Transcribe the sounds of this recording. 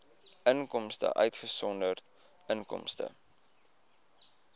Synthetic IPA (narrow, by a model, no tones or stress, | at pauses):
əŋkɔmstə̰ʔœɥtχəsɔndərt | ənkɔ̰mstə̰